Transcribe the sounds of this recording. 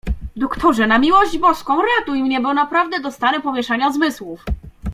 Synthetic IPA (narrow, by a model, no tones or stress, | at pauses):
d̪ɔkt̪ʰɔʐɛnamʲiwɔʑd͡ʑbɔskɔ̃w̃ɾat̪uimɲɛbɘwnapɾavd̪ɛd̪ɔst̪aɾɛpɔmʲjɛʂaɲazmɘswuf